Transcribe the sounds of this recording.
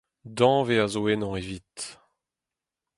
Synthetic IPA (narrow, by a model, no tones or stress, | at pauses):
d̪ɑ̃veazoenɑ̃evit̪